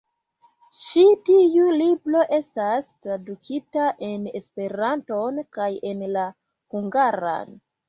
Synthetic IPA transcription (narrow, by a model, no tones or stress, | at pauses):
ʃitiulibɾo̞ʔe̞stastɾadukʰitaʔe̞ne̞spe̞ɾanto̞nkaje̞nla | huŋɡaɾa̰n